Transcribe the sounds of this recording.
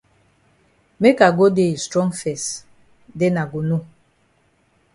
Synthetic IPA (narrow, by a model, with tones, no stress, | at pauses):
me˦ka˨ɡo˦de˦˨stɾɔ˦ŋfɛ˨s | de˦na˨ɡu˨nu˦